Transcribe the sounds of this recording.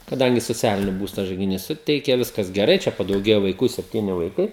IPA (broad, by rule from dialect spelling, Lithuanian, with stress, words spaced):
kɐˈdɐŋʲɡʲɪ soːˈt͡sʲæːlʲɪnʲɪ ˈbuːstɐ ʒɐɪɡʲɪˈnʲiːs ˈsʊtʲɛɪkʲɛ ˈʋʲɪskɐs ɡʲɛˈrɐɪ ˈt͡ʃʲɛ pɐdɐʊˈɡʲeːjɛ ʋɐɪˈkuː sʲɛpʲˈtʲiːnʲɪ ʋɐɪˈkɐɪ